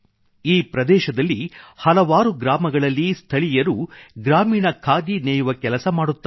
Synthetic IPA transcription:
iːpɾɐd̪ɛːʃɐd̪ɐlːihɐlɐʋaːɾuɡɾaːmɐɡɐɭɐlːist̪ʰɐɭijɐɾuɡɾaːmiːɳɐkʰaːd̪inɛːjuʋɐkɛlɐsɐmaːɽut̪ːɐ

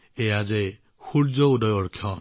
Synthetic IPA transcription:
ead͡ʒe | huɾd͡ʒɔudɔjɔɾkʰjɔ

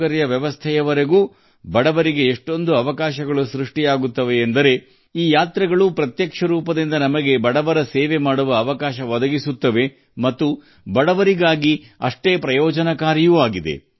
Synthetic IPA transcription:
ɐɾijɐʋjɛʋɐst̪ʰɛjɐʋɐɾeɡuː | bɐɽɐʋɐɾiɡe̞ːʂʈo̞nd̪uɐʋɐkaːʃɐɡɐɭusɾuʂʈijaːɡut̪ːɐʋe̞ːnd̪ɐɾe̞ | iːjaːt̪ɾɐɡɐɭupɾɐt̪jɐkʂɐɾuːpɐd̪ind̪ɐnɐmɐɡe̞bɐɽɐʋɐɾɐseːʋe̞maːɽuʋɐːʋɐkaːʃɐʋɐd̪ɐɡisut̪ːɐʋe̞ | mɐt̪ːu | bɐɽɐʋɐɾiɡaːɡi | ɐ̰ʂʈe̞ːpɾɐjɔːd͡ʒɐnɐkaːɾjuːaːɡid̪e̞̰

